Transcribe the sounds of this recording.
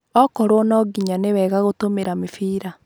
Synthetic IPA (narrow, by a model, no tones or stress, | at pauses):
ɔkɔɾwɔnɔɡiɲanewɛːɣaɣotomeɾamefiːɾa